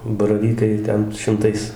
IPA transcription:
bɐrɐˈʋʲiːkɐɪ ˈtʲɛn ʃʲɪmˈtɐɪs

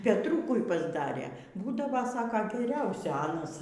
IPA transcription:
pʲɛtˈruːkʊɪ pɐzˈdɑːrʲeː ˈbuːdɐʋoː ˈsɑːkoː ɡʲɛˈrʲɛʊsʲʊ ˈɑːnɐs

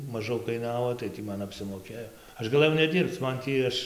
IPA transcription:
mɐˈʒɐʊ kɐɪˈnɑːʋoː tɐɪ ˈtʲiː ˈmɐn ɐpʲsʲɪmoːˈkʲeːjoː ˈɐʃ ɡɐˈlˠɘjɛʊ nʲɛˈdʲiːrpt͡s ˈmɐn tʲiː ˈɐʃ

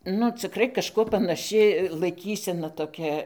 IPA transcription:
nʊ t͡sʲɪˈkrɐɪ kɐʃˈkuɔ pɐnɐˈʃʲɪ lˠɐɪˈkʲiːsʲɛnɐ toːˈkʲɛ

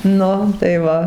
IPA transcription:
ˈnʊ tɐɪ ˈʋɐ

